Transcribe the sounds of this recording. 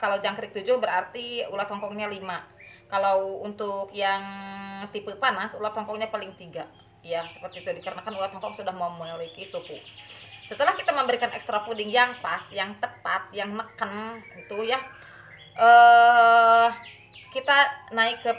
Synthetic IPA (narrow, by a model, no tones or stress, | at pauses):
kalawd͡ʒaŋkəɾɪk̚t̪ud͡ʒʊhbəɾart̪iulat̪ɔŋkɔŋɲalimakalawunt̪ʊkjaŋt̪iput̪̚panasulat̪ɔŋkɔkɲapalɪŋt̪iɡa | jasə̥pərt̪iːt̪udikəɾənakanulat̪ɔŋkɔŋsudahmaməlekisuku | sət̪əlahkit̪aməmbəɾikanɛ̰kst̪ɾafudɪŋjaŋpasjaŋt̪əpa̰t̪̚jaŋnəkənit̪uja | ʔə | kit̪anaɪkːə